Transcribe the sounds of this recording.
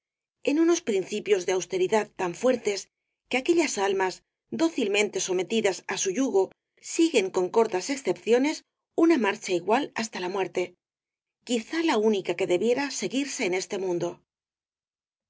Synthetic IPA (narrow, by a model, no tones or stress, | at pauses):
e̞nuno̞spɾinθipjo̞zðe̞awst̪e̞ɾiðaðt̪ːaɱfwe̞ɾt̪e̞s | ke̞ake̞ʎasalmaz | d̪o̞θilmẽnt̪e̞so̞me̞t̪iðasasuʎuɣo̞ | siɣe̞ŋko̞ŋko̞ɾt̪ase̞ksθe̞pθjo̞ne̞s | unamaɾt͡ʃaiɣwalast̪alamwe̞ɾt̪e̞ | kiθalaunikake̞ðe̞βje̞ɾase̞ɣiɾse̞ːne̞st̪e̞mũnd̪o̞